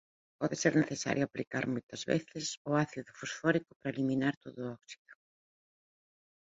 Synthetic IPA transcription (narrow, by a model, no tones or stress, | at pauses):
pɔðeseɾneθesa̰ɾjʊaplikaɾmojt̪ɐzβḛθɪsʊaθiðʊfusfɔɾikʊpaɾaeliminaɾt̪oðʊɔksi̥ðʊ